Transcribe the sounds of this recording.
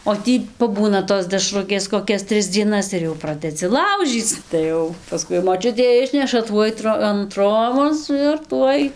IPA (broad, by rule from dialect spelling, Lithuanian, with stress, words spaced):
oː ˈtʲiː pɐˈbuːnɐ toːs dʲɛˈʃrʊkʲeːs koːˈkʲɛs ˈtʲrʲɪs d͡zʲiɛˈnɐs ɪr jɛʊ ˈprɑːdʲɛd͡zʲɪ ˈlˠɐʊʒʲiːt͡s tɐɪ ˈjɛʊ pɐˈskʊɪ moːˈt͡ʃʲʊtʲeː ˈɪʃʲnʲɛʃɐ ˈtuɔj troː ɐn ˈtroːboːs ɪr ˈtuɔj